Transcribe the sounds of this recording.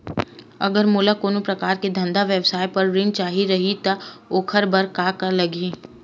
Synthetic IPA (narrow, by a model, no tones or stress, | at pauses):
ɐ̰ɡəɾmuːlakoːnupɾɐkaːɾked̪ʱɐ̃nd̪aʋjewsaːjpɐɾɾɪ̃ŋɡ̚t͡ʃaːɦiɾɐɦit̪aoːkʰəɾbɐɾkaːkɐɾlɐɡi